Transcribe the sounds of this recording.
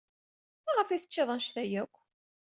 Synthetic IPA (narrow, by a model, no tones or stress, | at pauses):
mæʁəfiθət͡ʃːɪðˤənʃθæjækʷː